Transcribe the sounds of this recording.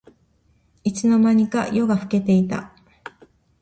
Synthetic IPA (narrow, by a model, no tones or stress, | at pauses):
it͡sɨno̞maɲ̟ika̰jo̞ɡaɸɯ̟̥ke̞t̪e̞it̪a̰